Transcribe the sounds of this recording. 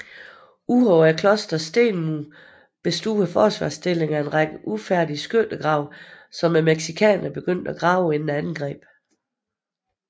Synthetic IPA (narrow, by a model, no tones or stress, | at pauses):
ʔuhɒʊɐkʰlɒ̽sd̥ɐsd̥e̝̰ːnmu | b̥e̝sd̥ṵːɐfɒːsʋɑ̈ːsd̥e̝le̝ŋɐe̝nʁɑ̈ɡ̥əʔufæɐ̰d̥isɡ̥øld̥əɡ̥ʁɑ̈ʊ̰ | sɒ̽mːemeɡ̥sikʰɛ̰ːnɐnb̥e̝ɡ̥øn̰d̥æɡ̥ʁɑ̈ʊe̝nn̩ænn̩ɡ̥ʁɛ̰ːb̥